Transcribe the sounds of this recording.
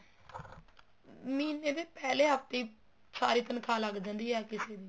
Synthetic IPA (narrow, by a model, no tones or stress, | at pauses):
miːneːd̪eːpɛːleːɦəpt̪iː | saːɾiːt̪ənkʰaːləɡd͡ʒãːnd̪iːɛːkɪseːd̪iː